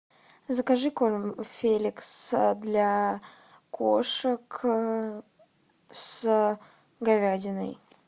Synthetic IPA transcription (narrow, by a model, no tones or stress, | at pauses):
zəkaʐɨkolmfʲelʲɪksd̪lʲa | kʰoʂək | s | ɡɐvʲadʲɪnə̰j